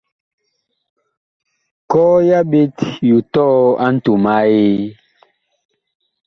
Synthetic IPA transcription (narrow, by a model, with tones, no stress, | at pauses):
kɔː˦ja˦be˦tju˨tɔ˦a˦n̩˦tu˨ma˦je˦